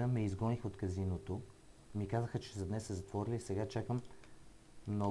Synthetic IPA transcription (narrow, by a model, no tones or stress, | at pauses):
əmɛizɡɔnixot̪kɐzinot̪o | mikazəxət͡ʃɛzɐd̪nɛssɛzɐt̪vɔɾilisɛɡat͡ʃakəmː | nɔ